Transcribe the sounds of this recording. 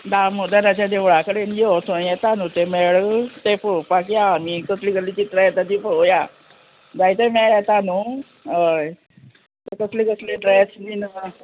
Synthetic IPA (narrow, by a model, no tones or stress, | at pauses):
d̪amud̪əɾat͡ɕad̪eʋɭakəɽenjot̪ʰõjɛt̪anut̪emeɭt̪efəpak̬jaːmikət̪ʰliɡəlːit͡ɕit̪ɾajat̪ad̪ipəoja | d̪ait̪emeɭet̪anu | əj | t̪əkət̪likəsleɖɾesd̪ina